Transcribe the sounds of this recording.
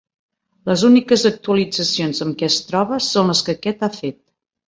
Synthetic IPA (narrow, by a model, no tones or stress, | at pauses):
ləzunikəzək̚t̪uəlid͡zəsionzəmkɛəst̪ɾɔβəsonləskəkɛt̪afet̪̚